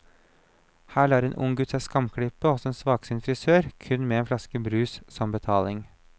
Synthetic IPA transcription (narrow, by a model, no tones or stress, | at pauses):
hæːɭɑːɾeːnʔʊ̰ŋɡʉt̪sɛskɑmkʰɽɪpːəɔsɔeːnsʋɑːɡ̥sɪnfɾɪsøːɾkʰʉnːmɛeːnflɑskəbɾʉːssɔmbət̪ʰɑːlɪŋ